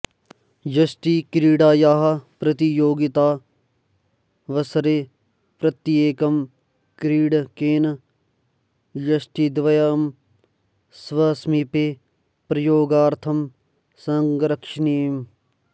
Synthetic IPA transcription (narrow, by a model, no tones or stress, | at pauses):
jɐsʈ̪ikɾiːɖaːjaːɦɐpɾɐt̪ijoːɡit̪aː | ʋɐsɐɾeː | pɾɐt̪ieːkɐm | kɾiːɖkeːn | jɐsʈid̪ʋɐjaːm | sʋɐːsmipeː | pɾɐjoːɡaːɾt̪ʰɐm | sɐŋɡɾɐkʂniːm